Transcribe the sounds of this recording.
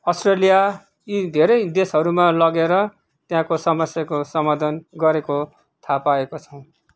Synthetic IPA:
ʌsʈrelija | id̪ʱeɾʌjd̪esɦʌɾumalʌɡeɾʌ | t̪jãkosʌmʌsjakosʌmad̪ʱʌnɡʌɾeko | t̪ʰapaekot͡sʰʌw̃

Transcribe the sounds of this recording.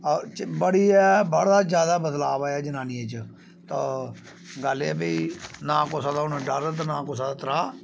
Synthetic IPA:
ɔːt͡ʃbəɽiːɛːbəɽaːd͡ʒjaːd̪aːbəd̪laːbaːjaːd͡ʒənaːniet͡ʃ | t̪aː | ɡəlḛːbeinãːkoːsãːd̪aːʊnɖəɾt̪ːnãːkoːsãːd̪aːt̪əɾaː

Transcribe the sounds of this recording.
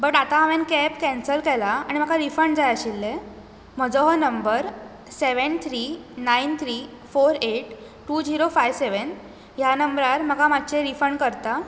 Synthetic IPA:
bəʈat̪aɦaʋenkɛpkɛ̃nsəlkɛlaaɽ̃im̤əkʰaɾifəɳd͡zajəɕilːe | m̤əd͡zɔɦɔnəmbəɾ | seʋənt̪ʰɾiːnaint̪ʰɾiː | foɾeʈ | ʈuːd͡ziɾofajʋseʋən | janəmbɾaɾm̤əkamad̚t͡ɕeɾifəɳkəɾt̪a

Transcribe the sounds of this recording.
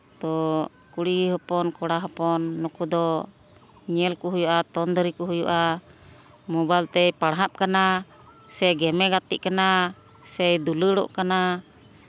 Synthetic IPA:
t̪ɔ | kuɽiɦɔpɔnkɔɽaɦɔpɔnːɔkud̪ɔ | ɲɛlkuɦujuʔat̪ɔnd̪ɔɾikɔɦujuʔa | mɔbajlt̪ɛjpaɽɦap̚kana | sɛɡɛmɛɡat̪ḭʔkana | sɛjd̪uləɽɔ̰ʔkana

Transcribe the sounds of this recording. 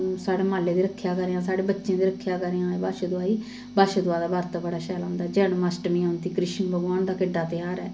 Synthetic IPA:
saːɽeːmaːleːd̪iːɾəkʰːjaːkəɾjãːsaːɽeːbətːʃẽːd̪iːɾəkʰːjaːkəɾejãːiːbaːʃed̪ʊaːiː | baːʃeːd̪ʊaːd̪aːbaːɾt̪ːbəɽaːʃɛːlãːnd̪aɛːd͡ʒɛːɳmasʈmĩːãːnt̪iːkɾɪʃənbəɡaːɳd̪aːkɪɖːaːt̪ɪjaːɾɛː

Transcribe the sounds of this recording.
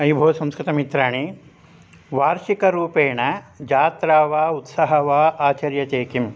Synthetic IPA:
ɐjbʱoːɐsɐ̃mskɾɪt̪ɐmit̪ɾaːɳi | ʋaːɾʃikɐɾuːpeːɳɐd͡ʒaːt̪ɾaːʋaːut̪sɐɦɐʋaːaːt͡ʃɐɾjɐt͡ʃeːkim

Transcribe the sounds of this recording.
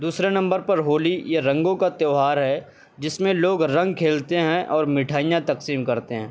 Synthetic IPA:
d̪uːsɾenɐ̃mbəɾpɐɾɦoːlijeɾɐ̃ŋɡõkat̪eːɦaːɾɦɛ | d͡ʒɪsmẽloːɡɾɐ̃ŋɡ̚kʰeːlt̪eɦɛ̃ʔɔːɾmɪʈʰaːijãt̪ɐqsiːmkɐɾt̪eɦɛ̃ː

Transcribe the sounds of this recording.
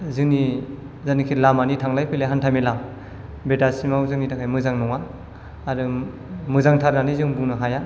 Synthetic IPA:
zɯŋni | zanikʰitlamanitʰaŋlajpʰeleɦantʰamila | betasimawzɯŋnitʰakʰajmɯzaŋnɔŋaː | ɾɯ | mɯzaŋtʰaɾɡanizɯŋbunɯɦaja

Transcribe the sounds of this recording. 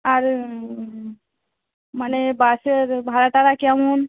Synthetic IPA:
aɾ | manebasəɾbʱaɾat̪aɾakiamun

